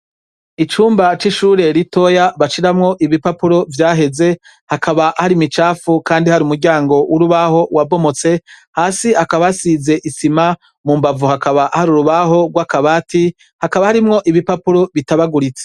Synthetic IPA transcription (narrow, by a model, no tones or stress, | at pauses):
it͡ʃuːmbat͡ʃiʃuːɾe̞ɾito̞jaβaʃiɾamŋo̞ʔiβipapuɾo̞vjaːɦe̞ze̞ | hakʰaβaʔahaɾimit͡ʃaːfukaːndihaɾiumuɾɟaːŋɡo̞wʔuɾuβaho̞wabo̞mo̞t͡se̞haːsiakaβasize̞ʔisima | mumbavuhakaβaʔahaɾuɾuβaɦo̞ɡwakaβaːtʰi | hakaβahaɾimŋo̞ʔiβipapuɾo̞βitaβaɡuɾit͡se̥